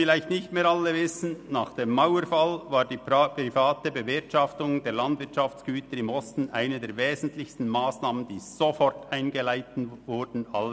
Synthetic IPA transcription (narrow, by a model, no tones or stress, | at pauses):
fɪlaɪçtnɪçtmeːɾalːəvɪsn̩naːχd̥eːmːaʊwəɾfalvaːɾdiːpɾifaːtəbəvɪɐtʃɑftʊŋd̥eːlandvɪɐtt͡ʃɑft͡sɡ̥yːtəɾɪmɔstn̩ʔaɪnədeːɐɾveːzn̩tlɪçstn̩maːsnaːmənd̥iːz̥ofɔɾtaɪnɡəlaɪtn̩vʊɾdn̩alːə